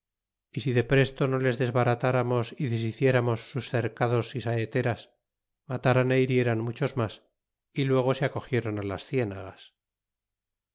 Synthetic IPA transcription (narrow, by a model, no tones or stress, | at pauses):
isiðe̞pɾe̞st̪o̞no̞le̞zðe̞zβaɾat̪aɾamo̞siðe̞s̬iθje̞ɾamo̞sːusθe̞ɾkaðo̞sisaet̪e̞ɾas | mat̪aɾanejiɾje̞ɾanmut͡ʃo̞zmas | ilwe̞ɣ̞o̞seako̞xje̞ɾo̞nalasθje̞naɣas